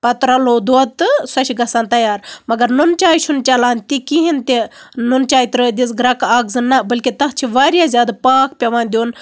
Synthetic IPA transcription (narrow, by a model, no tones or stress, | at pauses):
pɐt̪ɾɐloːd̪oːt̪ɨsɐʃʰiɡɐsaːnt̪ɐjaːɾmɐɡɐɾnunt͡ʃaːjt͡ʃʰunt͡ʃʲɐlaːnt̪ikiɦint̪inunt͡ʃaːjit̪ɾəːd̪isɡɾɐkaːɡzɨnːɐbɐlʲkit̪ɐɦt͡ʃʰiʋaːɾʲjaːzʲaːd̪paːkʰpʲɐʋaːnd̪ʲoːn